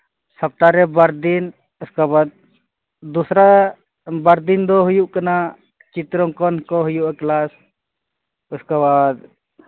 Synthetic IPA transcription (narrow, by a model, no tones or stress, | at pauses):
səp̚t̪aɾɛbaɾd̪in | uskabad̪̚ | d̪usɾa | baɾd̪ind̪ɔɦujuʔkana | t͡ʃit̪ɾɔŋkɔnkɔɦujuʔaklas | uskabad̪